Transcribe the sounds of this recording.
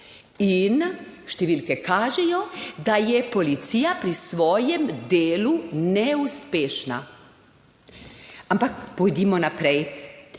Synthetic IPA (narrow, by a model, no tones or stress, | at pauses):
inʃt̪ɛʋilkɛkʰaːʒɛjod̪ajɛpolit̪sijapɾisʋoːjɛmd̪eːlunɛuspeːʃna̰ | ampakpojd̪imɔnapɾɛj